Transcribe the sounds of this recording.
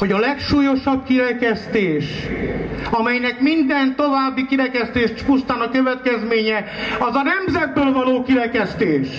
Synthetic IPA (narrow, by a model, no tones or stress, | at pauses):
ho̞ɟɒlɛkʃuːjo̞ʃɒb̚kiɾɛkɛst̪eːʃ | ɒmɛjnɛkmind̪ɛnt̪o̞vaːbːikiɾɛkɛst̪eːʃt̪pust̪aːnɒkøvɛt̪kɛzmeːɲɛɒzɒnɛmzɛd̪̚bøːlvɒloːkiɾɛkɛst̪eːʃ